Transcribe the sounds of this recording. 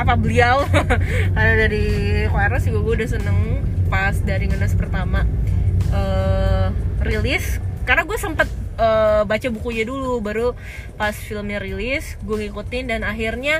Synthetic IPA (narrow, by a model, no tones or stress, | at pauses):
apabəliaw | adaɾikoaɾasɡaɡuaudas̬ənəŋpasdaɾiŋənaspərt̪ama | ə | rilɪskarnaɡuasəmpət̪̚əbat͡ʃabukuɲadulubaɾu | pasfilmɲarilɪsɡuaŋikut̪ɪndanaɦirɲa